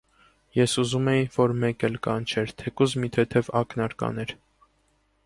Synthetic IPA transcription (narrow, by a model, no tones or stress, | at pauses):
jɛsuzumɛjinvɔɾmɛkɛlkɑnt͡ʃʰɛɾt̪ʰɛkuzmit̪ʰɛt̪ʰɛvɑknɑɾkɑ̰nɛɾ